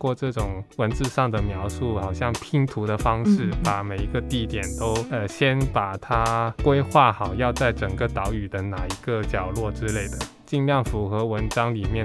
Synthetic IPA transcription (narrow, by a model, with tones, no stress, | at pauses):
kwɔ˥˧ʈ͡ʂɤ˥˩ʈ͡ʂʊ˨˩ŋwə˧˥nt͡sɹ̩˥˧ʂɑ˥˩ŋd̪ə˩mjɑ˧˥ʊʂu˥˩xɑ˨˩ʊɕjɑ˥˩ŋpʰi˧˥ŋt̪ʰu˧˥d̪ə˧fɑ˥ŋʂɻ̩˥˩pa˨˩me˨˩ɪi˧˥ɡə˧t̪i˥˩t̪jɛ˨˩nt̪o˥ʊə˧ɕjɛ˥npa˨˩t̪ʰa˥kwe˥ɪxwa˥˩xɑ˨˩ʊjɑ˥˧ʊt͡sa˥˩ɪʈ͡ʂə˨˩ŋɡə˦t̪ɑ˧˥ʊy˨˩d̪ə˦na˨˩i˧˥ɡə˧t͡ɕjɑ˨˩ʊlwɔ˥˩ʈ͡ʂɻ̩˥le˥˩ɪd̪ə˩ | t͡ɕi˥˧ŋljɑ˥˩ŋfu˧˥xɤ˧˥wə˧˥nʈ͡ʂɑ˥ŋli˨˩mjɛ˥˩